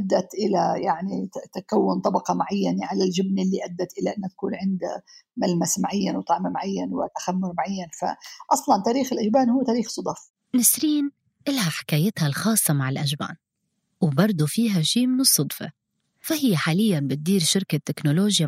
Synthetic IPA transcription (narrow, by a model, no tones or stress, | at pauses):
ad̪ːat̪ʔɪlajaʕnit̪akawːʊnt̪ˤɑbɑqɑmaʕajːaneʕalald͡ʒɪbnɪlːiʔad̪ːat̪ʔɪlaʔɪnːat̪ḁkuːnʕɪnd̪amalmasmaʕajːanwt̪ˤɑʕmmaʕajːanwɪ̰t̪axamːʊɾmaʕajːanfa̰ʔɑsˤlɑnt̪aːɾiːxɪlʔaʒbaːnhʊːt̪aːɾiːxsˤʊd̪ˤɑf | nɪsɾiːn | ʔɪlhaħɪ̥kaːjɪt̪halxɑːsˤːɑmaʕɪlʔaʒba̰ːn | wbɑɾˤd̪ˤufiːɦaʃiːmʊsˤːɑd̪ˤfḛ | fahɪjːaħaːlɪjːanbɪt̪̚d̪iːɾʃɪɾkat̪ːɪknoloːʒja